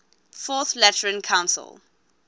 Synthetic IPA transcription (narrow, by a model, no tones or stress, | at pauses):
fɔθlɛtəɹə̃nkʰãʊ̃nsə̰lˠ